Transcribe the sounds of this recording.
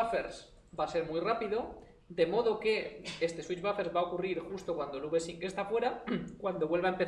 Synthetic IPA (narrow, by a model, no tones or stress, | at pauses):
afeɾs | base̞ɾmujrapiðo̞ | d̪e̞mo̞ðo̞ke̞est̪e̞swit͡ʃβafe̞ɾzβaokuriɾxust̪o̞kwand̪oluβe̞siŋke̞st̪afwe̞ɾakwand̪o̞βwe̞lβaempe